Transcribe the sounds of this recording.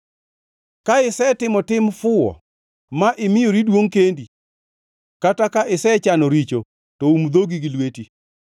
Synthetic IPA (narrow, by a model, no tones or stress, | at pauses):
kaɪsɛtɪmɔtɪmfʊɔ̰ | maʔɪmɪjoɾidwoŋkendi | katakaʔɪsɛt͡ʃanoɾit͡ʃo | tɔumd̪oɡiɡilweti